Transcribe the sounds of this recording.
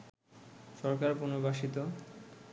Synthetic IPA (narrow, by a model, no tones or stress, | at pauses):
ʃɔɾkaɾpunobaʃit̪o